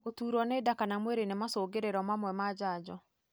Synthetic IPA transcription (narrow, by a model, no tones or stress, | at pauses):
otuːɾɔnedakanamweɾenemasoːɡeɾeɾɔmamwɛmad͡ʒad͡ʒɔ